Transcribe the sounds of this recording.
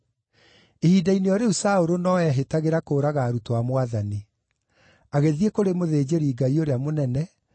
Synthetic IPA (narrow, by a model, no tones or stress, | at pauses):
ehiːdaineɔɾeusaoɾonɔɛɦetaɣeɾakoːɾaɣaːɾutowamwaðani | aɣeðiekoɾemoðeːd͡ʑeɾiːɡaioɾeamonɛnɛ